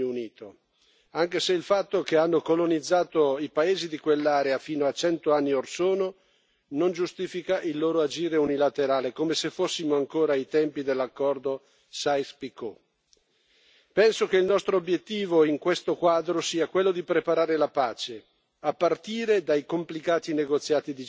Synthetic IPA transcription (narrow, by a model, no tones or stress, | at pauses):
uniːt̪o | aŋkeseilfat̪ːokeanːokolonid̪zːaːt̪oipaeːzid̪ikwelːaːɾeafiːnoat͡ʃɛnt̪oanːiorsoːno | nond͡ʒust̪iːfikaʔilːoːɾoad͡ʒiːɾeunilat̪eɾaːlekomesefːosːimoaŋkoːɾait̪ɛmpid̪elːakːɔrd̪o | sajspiko | pɛnsokeilnɔst̪ɾoːbjet̪ːiːvoiŋkwest̪okwaːd̪ɾosiːakwelːod̪ipɾepaɾaːɾelapaːt͡ʃe | apːart̪iːɾed̪ajkomplikaːt̪ineɡot̪sːjaːt̪id̪i